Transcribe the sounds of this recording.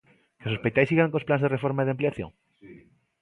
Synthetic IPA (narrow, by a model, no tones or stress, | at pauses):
kesospejt̪ajsiɣaŋkosplanzðerefoɾmaiðeampleaθjo̰ŋ